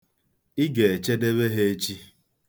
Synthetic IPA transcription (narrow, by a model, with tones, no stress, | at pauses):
i˦ɡe˨e˨t͡ʃe˦de˦βe˦ɦe˦e˦t͡ʃi˦